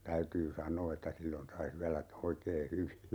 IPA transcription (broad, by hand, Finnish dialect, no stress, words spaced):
tæytyː sɑnˑoː etːæ silːon sɑi syælæ oikeː hyʋi